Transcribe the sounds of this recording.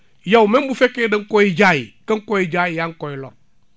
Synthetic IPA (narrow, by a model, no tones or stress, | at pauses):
jawmembufekeːdəŋkɔjid͡ʒajikəŋkɔjid͡ʒajijaŋkɔjilɔ̰ɾ